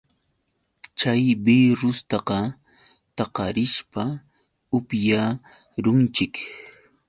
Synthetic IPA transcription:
t͡ʃajbiɾʊst̪ɑqɑ | t̪ɑqɑɾɪʃpa | ʊpja | ɾʊnt͡ʃɪk

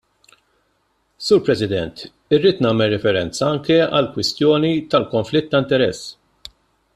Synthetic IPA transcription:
suːɾpɾɛsɪd̪ɛnt̪ | ɪrːiːt̪nɐːmɛlːɛfɛɾɛnt͡sɐɐŋkɛɐ̰lkwɪst̪jɔːnit̪ɐlkɔɱflɪt̪ːɐɪnt̪ɛɾɛsː

